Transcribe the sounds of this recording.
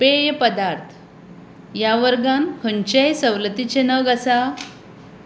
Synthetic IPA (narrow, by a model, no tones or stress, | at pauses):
pejəpəd̪aɾt̪ʰ | jaʋəɾɡanhənt͡ɕejsəwlət̪it͡ɕenəɡəsa